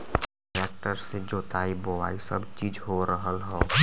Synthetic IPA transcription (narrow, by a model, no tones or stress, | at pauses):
ɾɛk̚ʈəɾsed͡ʒoːt̪aːibowa̰ːisəbt͡ʃiːd͡ʒɦoɾəɦəlɦɛː